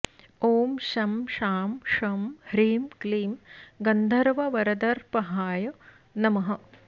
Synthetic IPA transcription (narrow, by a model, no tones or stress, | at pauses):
oːmʃɐmʃaːmʂɐmhɾiːmkliːmɡɐnd̪ʱɐɾʋɐʋɐɾɐd̪ɐɾpɐɦaːjɐ | nɐmɐɦɐ